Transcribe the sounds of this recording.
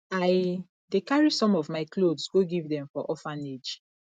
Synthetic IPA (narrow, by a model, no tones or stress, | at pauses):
aɪ | dekaɹisɔ̃mɔvmaɪklodsɡoɡivdɛ̃mfɔʔɔfãned͡ʒ